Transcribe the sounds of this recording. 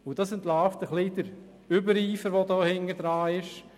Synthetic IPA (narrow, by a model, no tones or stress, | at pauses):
ʊd̥ɑsɛnt̪laːftəχlid̥əɾ | ʏbəɾiːfəɾʋɔdoːhɪŋəd̥̪ɾaːɪʃ